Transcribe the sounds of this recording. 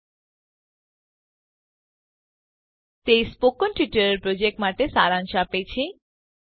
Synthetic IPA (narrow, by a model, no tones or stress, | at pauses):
t̪ejspokonʈiʈəɾeɾpɾod͡ʑek̚ʈmaʈesaɾanʃapejt͡ɕʰi